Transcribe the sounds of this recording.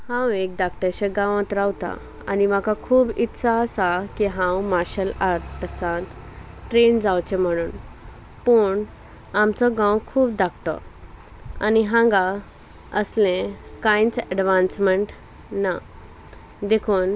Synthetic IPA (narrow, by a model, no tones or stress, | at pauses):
hãwek̚d̪akʈəɕeɡãʋãt̪ɾawt̪a̰ | a̰nimakakʰuːbit̪ːsaəsakiɦãwmaɾɕəlaɾʈsãt̪ | ʈɾend͡zawt͡ɕem̤əɽ̃uːn | pəɳ | amt͡sɔɡãwkʰuːb̚d̪ak̚ʈɔ̰ | a̰niɦãŋɡa | əslẽkãjt͡səɖʋãnsməɳʈ | na | d̪ekʰuːn